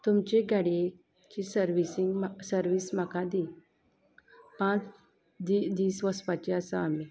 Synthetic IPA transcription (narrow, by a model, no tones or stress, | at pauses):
t̪umt͡ɕeɡʱaɽije | t͡ɕisəɾʋisiŋɡsəɾʋiːsm̤akãd̪i | pãt͡s | d̪id̪iːsʋəspat͡ɕeəsaami